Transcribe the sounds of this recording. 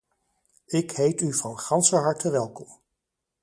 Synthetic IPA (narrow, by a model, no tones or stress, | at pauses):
ɪkɦejtyvrɔwχɑnsəɦɑɹtəʋɛlˠkɔm